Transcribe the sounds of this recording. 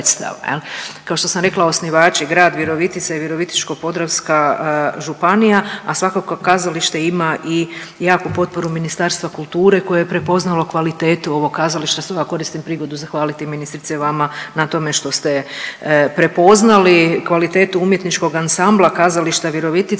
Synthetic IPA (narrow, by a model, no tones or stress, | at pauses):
t̪st̪a̰ʋa̰jḛlkaoʃt̪o̞samɾe̞klˠao̞sniʋaːt͡ʃiɡɾaːd̪ʋiɾo̞ʋit̪it̪saiʋiɾo̞ʋit̪i̥t͡ʃko̞po̞d̪ɾawskaʒupanijaasʋakokokːazaliʃt̪eimaʔi | jaːkupo̞t̪̚po̞ɾuminist̪aːɾst̪ʋakulˠt̪uːɾe̞ko̞jejepɾe̞po̞znalo̞kʋalit̪eːt̪uo̞ʋo̞ɡkːazaliʃt̪asoɡako̞ɾist̪impɾiɡo̞d̪uzaxʋaːlit̪iminist̪ɾit̪seʋamanat̪o̞me̞ʃt̪o̞st̪e̞ | pɾe̞po̞znalikʋalit̪e̞ːt̪uumjet̪nit͡ʃko̞ɡansamblˠakazaliʃt̪aʋiɾo̞ʋit̪i